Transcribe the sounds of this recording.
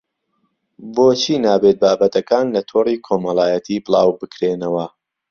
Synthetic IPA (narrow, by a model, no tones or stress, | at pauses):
boːt͡ʃʰiːnaːbet̪̚baːbɐt̪ɐkaːnlɐt̪ʰoːriːkʰomɐlˠaːjɐt̪ʰiːbɨlˠɑːwbɨkɾeːnɐwɐ